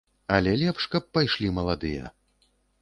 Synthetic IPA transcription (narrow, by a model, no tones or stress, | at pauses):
ɐlʲɛlʲɛpʂkɐp̚ːajʂlʲimɐlˠad̪ɨjɐ̰